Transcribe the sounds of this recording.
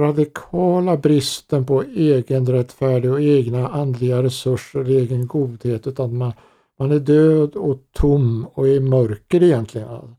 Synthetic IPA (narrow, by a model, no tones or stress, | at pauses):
ɾad̪ɪkʰɑːlabɾɪst̪ənpʰɔeːɡənɾɛt̪ːfæːɖɪɡɔeːɡnaʔand̪lɪɡaɾɛsɵʂəleːɡənɡuːd̪heːt̪ʉ̟ːt̪anman | manæɖøːd̪ɔt̪ʰʊmːɔæɾmœɾkəɾɪjɛnt̪lɪɡə̰na̰